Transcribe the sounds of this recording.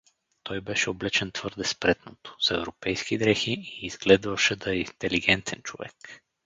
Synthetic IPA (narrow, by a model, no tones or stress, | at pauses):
t̪ɔjbɛʃɛoblɛt͡ʃɛnt̪v̥ɤɾd̪ɛspɾɛt̪not̪o̥z̥ɛvɾopɛjsk̟id̪ɾɛxiiːz̥ɡlɛd̪vɐʃɛd̪aɛint̪ɛliɡʲɛnt̪ʰɛnt͡ʃovɛ̰k